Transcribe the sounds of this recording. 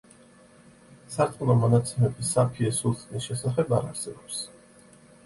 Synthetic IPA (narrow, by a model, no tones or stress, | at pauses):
saɾt̪ʼqʼnɔmɔnat̪sʰɛmɛbisapʰiɛsulˠt̪ʼnisʃɛsaχɛbaɾa̰ɾsɛbɔps